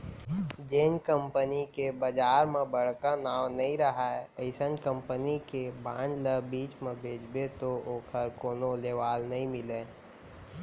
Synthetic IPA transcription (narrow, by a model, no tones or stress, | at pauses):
d͡ʒeːnkə̃mpənikebɐd͡ʒaːɾmẽbɐɽ̤kanaːwnɐɦĩɾɐɦaɛəɪsənkə̃mpənikebãːd͡ʒləbiːt͡ʃmẽbʱeːd͡ʒbet̪ooːkʰəɾkoːnoleːʋaːlnɐɦĩmɪle